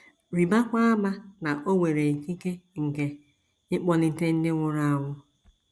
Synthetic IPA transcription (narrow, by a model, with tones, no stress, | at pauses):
ɾi˨ba˦kʷa˦a˦ma˦na˨ʔo˦ŋʷe˨ɾe˨ki˦ke˦ŋ̩˨ke˨ | ɪ˦k͡pɔ˦nɪ˦te˦n̩˦dɪ˦ŋʷʊ˦ɾa˦a˨wʷʊ˦